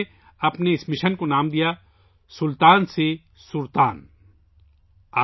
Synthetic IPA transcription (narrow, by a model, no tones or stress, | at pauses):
ɐpneɪsmɪʃənkonaːmd̪ija | sʊlt̪aːnse | sʊɾt̪aːn | aː